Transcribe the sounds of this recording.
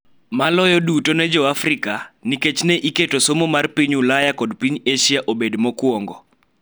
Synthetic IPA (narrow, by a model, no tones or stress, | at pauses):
malɔjɔdutonɛd͡ʒɔafrikaniket͡ʃnɛʔiketosomomarpiɲulajakɔdpiɲeʃiaʔobedmɔkwɔŋɡɔ